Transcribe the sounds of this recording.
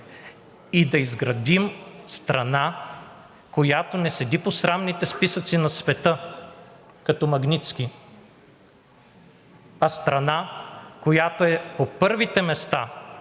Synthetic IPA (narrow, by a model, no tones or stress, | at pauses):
id̪ɐizɡɾɐd̪imst̪ɾɐna | kojat̪onɛsɛd̪iposɾamnit̪ɛspisət̪sinɐsvɛt̪ɤ | kɐt̪ɔmɐɡnit̪ski | ɐst̪ɾɐnakojat̪oɛpopɤɾvit̪ɛmɛst̪a